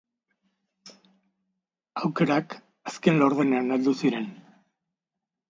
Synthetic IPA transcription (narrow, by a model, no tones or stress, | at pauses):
awke̞ɾak | aske̞nlo̞ɾðene̞anald̪usiɾe̞n